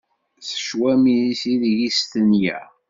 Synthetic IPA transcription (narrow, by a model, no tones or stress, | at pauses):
θə̥ʃwæmisiðʝist̪ənjæ̰